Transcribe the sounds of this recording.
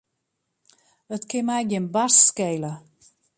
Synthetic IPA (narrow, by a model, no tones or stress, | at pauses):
ətkɪnmɛjɡjɪnbasskejlə